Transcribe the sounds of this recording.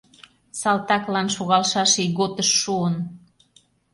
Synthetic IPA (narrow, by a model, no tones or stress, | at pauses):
sɑlt̪ɑklɑnʃoɣɑlʃɑʃiɣot̪əʃːuən